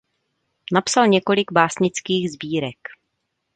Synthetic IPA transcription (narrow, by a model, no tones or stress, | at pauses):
napsalɲɛko̞lɪɡbaːsɲɪt͡skiːɣzbiːɾɛk